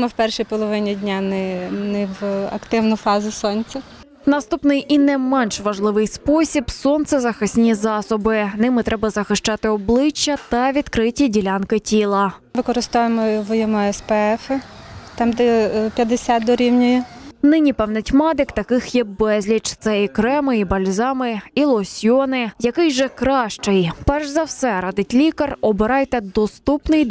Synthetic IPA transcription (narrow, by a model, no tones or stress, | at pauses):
mɪwpɛrʃijpɔlˠɔʋɪnʲidʲnʲanɛnɛʋɐ̰kt̪ɪwnʊfɑzʲɪsɔnʲt͡sʲɐ | nɐst̪upnɪjʔinɛmɛnʃʋɐʒlˠɪʋɪjspɔsʲibsɔnt̪sɛzɐxɪsʲnʲizɑsɔbɪnɪmɪt̪ɾɛbɐzɐxɪʃt͡ʃɑt̪ɪɔblˠɪt͡ʃːɐt̪ɐʋʲid̪̥kɾɪtʲidʲilʲankɪtʲilˠɐ | ʋɪkɔɾɪst̪ɔʋemɔʋɔjɔmɔɛspɛɛfɪt̪ɑmd̪ɛpʲjɐd̪esʲat̪̚d̪ɔɾʲiwnʲɔjʊnɪnʲipɛwnɐtʲmɑd̪ɪkt̪ɐkɪxjɛbɛzʲlʲit͡ʃt̪sɛikɾɛmɪibɐlʲzɑmɪilˠɔsʲjɔnɪjɐkɪjʒɛkɾɑʃt͡ʃɪjpɛrʒzɐwsɛɾɑd̪ɪtʲlʲikɐrɔbɪɾɑjt̪ɛd̪ɔst̪upnɪj